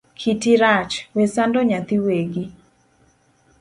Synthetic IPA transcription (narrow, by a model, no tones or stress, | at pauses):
kʰitiɾat͡ʃwesandɔɲat̪iweɡi